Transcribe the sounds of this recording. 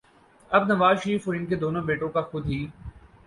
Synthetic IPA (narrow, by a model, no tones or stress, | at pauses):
ɐbnɐʋaːzʃəɾiːfoːɾɪnk̬ed̪oːnõbeːʈõkaxʊd̪ʱɦiː